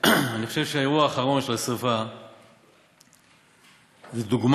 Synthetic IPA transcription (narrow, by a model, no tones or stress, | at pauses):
aniχoʃevʃeaeʁuaːχaʁo̞nʃelasava | zed̪uɡm